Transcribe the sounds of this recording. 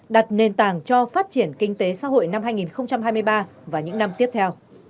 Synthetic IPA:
ɗa˨˩t̚ne˨˩nt̪aː˨˩ŋt͡ɕɔ˧faː˦˥t̚t͡ɕi˧˩ənkï˧ŋ̟t̪e˨˦sa̰ː˧˥ɦo̰˧˨jna˧mhaː˧jŋi˨˩nxə˧wŋ͡mt͡ɕa˧mɦaː˧jmɨ˧jɓaː˧vaː˨˩ɲɨ̰˧˥ŋna˧mt̪i˦˥əp̚t̪ʰɛ˧w

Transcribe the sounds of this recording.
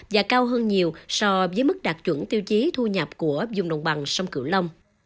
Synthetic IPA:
vaː˨˩kaː˧wɦəː˧nɲi˨˩əwsɔ˧vəː˨˦jmɨ˦˥k̚ɗaː˨˩t̚t͡ɕwə̰˧˩nt̪i˧əwt͡ɕi˨˦t̪ʰu˧ɲə˨˩p̚ku˧˩əzʊ˨˩ŋ͡mɗə̰˨˩wŋ͡mɓa˨˩ŋsə˧wŋ͡mkɨ̰˧˩wlə˧wŋ͡m

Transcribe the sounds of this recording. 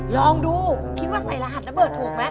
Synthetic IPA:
lɔː˧ŋduː˧kʰi˦˥t̪̚waː˥˩sa˨˩jla˧ɦa˨˩t̪̚la˦˥˩bɤː˨˩t̪ʰːu˨˩˦ə˦ŋma˦˥

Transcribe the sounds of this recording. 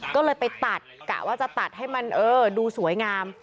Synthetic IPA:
kɔː˥˩lɤː˧jpa˧jt̪a˨˩t̪̚ka̰ː˨˩waː˥˩t͡ɕa˨˩t̪a˨˩t̪̚ɦa˥˩jma˧nʔɤː˧duː˧su˨˩˦jŋaː˧m

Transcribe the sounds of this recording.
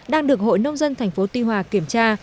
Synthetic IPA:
ɗaː˧ŋɗɨ˨˩ək̚ho̰˧˨jnə˧wŋ͡mzə˧nt̪ʰa˨˩jŋ̟fo˨˦t̪i˧ɦwaː˨˩ki˧˩əmt͡ɕaː˧

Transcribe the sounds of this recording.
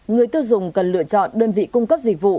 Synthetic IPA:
ŋɨ˨˩əjt̪i˧wzʊ˨˩ŋ͡mkə˨˩nlɨ̰˧˨ət͡ɕɔ̰˧˨nɗəː˧nvḭ˧˨kʊ˧ŋ͡mkə˦˥p̚zï˨˩k̚vṵ˧˨

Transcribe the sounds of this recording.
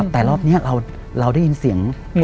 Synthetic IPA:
p̚t̪ɛː˨˩lɔː˥˩p̚niː˦˥ɐɾa˧w | ɾa˧wda˥˩ji˧nsi˨˩˦əŋ

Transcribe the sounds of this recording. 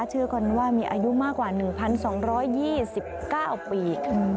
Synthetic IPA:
t̪ʰɯ˦˥kʰo˧nwaː˥˩miː˧ʔa̰ː˧ju˦˥maː˥˩kːwaː˨˩nɯ˨˩ŋpʰa˧nsɔː˩˦ŋɾɔː˦˥jːiː˥˩si˨˩p̚kaː˥˩wpiː˨˩

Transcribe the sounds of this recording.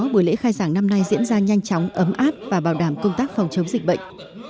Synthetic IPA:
ɓu˧˩əlḛ˧˥xaː˧jzaː˧˩ŋna˧mna˧jzḭ˧˥ənzaː˧ɲa˧jŋ̟t͡ɕɔ˨˦wŋ͡mʔə˨˦mʔaː˦˥p̚vaː˨˩ɓaː˧˩wɗaː˧˩mkə˧ŋ͡mt̪aː˦˥k̚fɔ˨˩wŋ͡mt͡ɕə˨˦wŋ͡mzï˨˩k̟̚ɓə̰˧˨jŋ̟

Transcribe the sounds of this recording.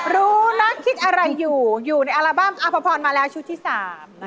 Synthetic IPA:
ɾuː˦˥na˦˥kʰːi˦˥t̪̚ʔa˧ɾa˧jːuː˨˩juː˨˩na˧jʔa˧laː˧baː˥˩mt̪aː˧˥pʰɔ˧pʰɔː˧nmaː˧lɛː˦˥wt͡ɕʰu˦t̪ʰːiː˥˩saː˨˩˦m

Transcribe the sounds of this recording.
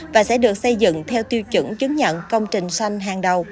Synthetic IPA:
vaː˨˩sɛ̰˧˥ɗɨ˨˩ək̚sə˧jzɨ̰˧˨ŋt̪ʰɛ˧wt̪i˧wt͡ɕɨ̰˧˥ŋt͡ɕɨ˨˦ŋɲə̰˧˨nkə˧wŋ͡mt͡ɕï˨˩ŋ̟swa˧jŋ̟ɦaː˨˩ŋɗə˨˩w

